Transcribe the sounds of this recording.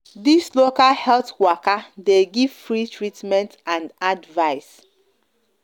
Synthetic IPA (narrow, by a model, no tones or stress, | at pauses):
dislokahɛltwɔkadeɡiv̥fɹitʰɹitmɛ̃ntãndadvaɪs